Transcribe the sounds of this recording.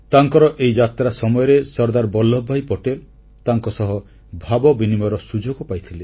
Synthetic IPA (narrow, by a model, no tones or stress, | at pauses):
t̪aŋkɔɾɔʔejd͡ʒat̪ɾasɔmɔjɔɾesɔɾd̪aɾbɔlːɔbʱajpɔʈel | t̪aŋkɔsɔɦɔ | bʱabɔbinimɔjɾɔsud͡ʒoɡɔpajt̪ʰile